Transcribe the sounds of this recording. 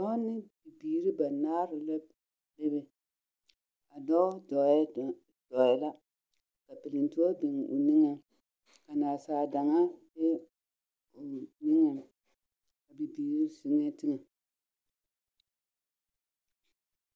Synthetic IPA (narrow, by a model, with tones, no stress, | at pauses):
dɔ˦nɪ˦bi˨biː˨ɾi˦ba˨naː˦ɾɪ˨la˦ | le˦bɛ˨ | a˨dɔ˦dɔ˨˦ | d̥ɔ˨jɛ˦la˦ | ka˨pɪ˨lɪ˨ntʊ˦ɔ˦bɪ˨ŋ˨o̰˨ni˦ŋɛ˨ | ka˨naː˨saː˨da˨ŋa˦bɪ˦ | ʊ˨nɪ˦ŋɛ˨ | ka˨bi˨biː˨ɾi˦sʊ˨ŋɛ˦tɪ˦ŋɛ˨